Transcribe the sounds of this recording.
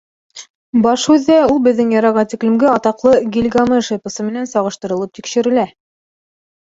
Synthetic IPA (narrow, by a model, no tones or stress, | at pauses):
bɑʃʉðːæulˠbɘ̆ðːɘŋjɑɾɑʁɑt̪iklɘ̆mɡɘɑt̪ɑqlˠɤɡʲilʲɡɑmɤʃepɤ̆sɤmɘ̆nænsɑʁɤ̆ʃt̪ɤ̆ɾɤ̆lˠɤp̚t̪ikʃɘ̆ɾɘ̆læ